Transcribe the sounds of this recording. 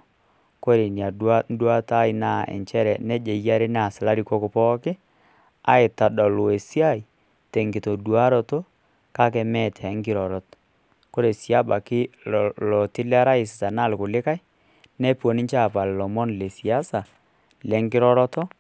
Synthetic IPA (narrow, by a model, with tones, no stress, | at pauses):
ko˦ɾe˨nja˨an˦dwa˦ta˦ɪ˦na˦˨ɛ̰˨ɲt͡ʃɛ˦ɾɛ˨nɛ˦d͡ʒe˨ja˦ɾe˦n˦a˨sɪ˨la˦ɾi˨ko˦kʊ˨pɔ˦kɪ˦ | a̰˨˦ɪ˨ta˨ɗɔ˨lo˨e˨si˦a˦i˨ | tɛ˨ŋɡɪ˨to˨dwa˦ɾɔ˦to˦ | ka˦kɛ˨mɛ˦˨tʰɛ˨˦ŋkɪ˦ɾɔ˨ɾɔ˨˦t | ko˦ɾe˨sja˦ba˨kɪ˦lɔ˨tɪ˦lɛ˦a˦ɾa˦ɪ˨sɪ̥˨ta˨na˦˨lkʊ˨lɪ˦ka˦j | nɛ˦po˨nɪ˦ɲt͡ʃa˦˨pa˨llɔ˨mɔ˦nlɛ˨si˨a˦sa˨ | lɛ˨˦ŋkɪ˦ɾɔ˦ɾɔ˦tɔ˦